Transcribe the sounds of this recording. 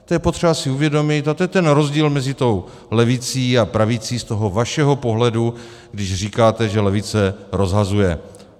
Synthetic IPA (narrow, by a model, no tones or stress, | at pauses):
t̪ojɛpo̞t̪r̝̥ɛbasɪuvjɛdo̞mɪt̪at̪ojɛt̪ɛnɾo̞zɟiːlmɛzɪt̪o̞w | lɛvɪt͡siːapɾavɪt͡siːst̪o̞ɦo̞vaʃɛɦo̞po̞ɦlɛdu | ɡdɪʒriːkaːt̪ɛʒɛlɛvɪt͡sɛɾo̞zɦazujɛ